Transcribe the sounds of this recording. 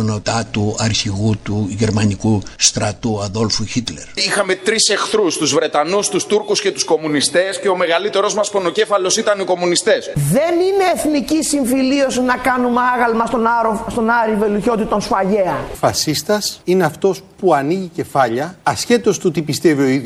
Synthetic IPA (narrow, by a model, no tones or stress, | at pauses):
no̞t̪ɐt̪uɐɾçiɣut̪uʝe̞ɾmɐnikust̪ɾɐt̪uɐðo̞lfuçit̪le̞ɾixɐme̞t̪ɾise̞xθɾust̪uzvɾe̞t̪ɐnust̪ust̪uɾkuscet̪u̥sko̞munist̪e̞sce̞o̞me̞ɣɐlit̪e̞ɾo̞zmɐsponoce̞fɐlo̞sit̪ɐniko̞munist̪esðe̞nine̞ːθnicisiɱfilio̞sinɐkɐnumeɐɣɐlmɐst̪onɐɾost̪o̞nɐɾive̞luço̞t̪it̪o̞nsfɐʝeɐfɐsist̪ɐsine̞ɐft̪o̞spuɐniʝice̞fɐʎɐɐsçe̞t̪o̞st̪ot̪ipist̪e̞vio̞iðo